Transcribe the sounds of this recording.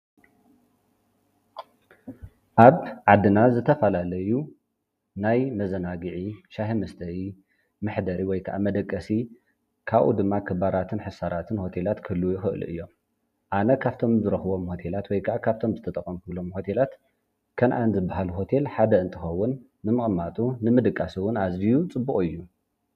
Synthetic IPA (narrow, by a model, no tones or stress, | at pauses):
ʔaβʕad̪ːɨnazɨt̪ʰɐfɐlalɐju | najmɐzɐnaɡɨʕiʃaɦimɐst̪ʰɐwi | mɨħd̪ɐɾiwɔjkʰaʔa̰mɐd̪ɐkʼːɐsi | kʰaβʔṵd̪ɨmːakʰɨbaɾat̪ʰɨnħɨsaɾat̪ʰɨnho̞t̪ʰe̞lat̪kʰɨlujɪxɨʔlṵʔɨ̰jːo̞m | ʔanɐkʰaβt̪ʰo̞mzɨɾɐxɨβo̞mho̞t̪ʰe̞lat̪wɔjkʰaʔakʰaβt̪ʰo̞mzɨt̪ʰɐt̪ʼɐkʼɐmkʰɨlo̞mho̞t̪ʰe̞lat̪ | kʰɐnʔanzɨbːaɦaluɦo̞t̪ʰe̞lħad̪ɐɨnt̪ʰɨxɐwːʊnː | ɨmɨχʼɨmːat̪ʼunɨmɨd̪ɨkʼːasiwʊnazijut͡sʼɨbːuχʼɨjːu